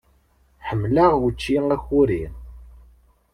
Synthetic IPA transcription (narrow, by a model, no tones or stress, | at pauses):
ħəmːlaʁwət͡ʃːiæçʊɾin